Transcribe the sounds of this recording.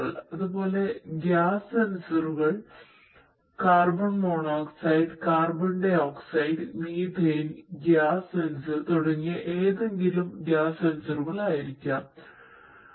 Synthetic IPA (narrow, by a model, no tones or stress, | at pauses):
ɭɐðubo̞ːle̞ɡjaːsɐnusɐruɣɐɭ | kaːrbɐɳmoːɳoːksɐjɖɨkaːrbɐɳɖe̞oːksɐjɖɨmiːd̪ʱeːnɡaːsɐnsɨt̪oɽɐŋːiʔeːðe̞ŋɡilumɡjaːsɐnusɐruɣɐɭaːjiɾikʲːɐm